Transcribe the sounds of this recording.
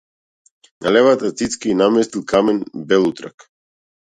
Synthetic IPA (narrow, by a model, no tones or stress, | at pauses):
nalɛvat̪at̪sit̪skainamɛst̪ilˠkamɛnbɛlˠut̪ɾa̰k